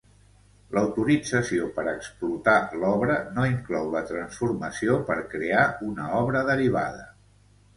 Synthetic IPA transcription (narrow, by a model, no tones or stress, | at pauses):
lʔəwt̪uɾid͡zəsiopəɾəksplut̪alɔβɾənoiŋklɔwlət̪ɾənsfurməsiopəɾkɾeaunəɔβɾəðəɾiβ̞a̰ðə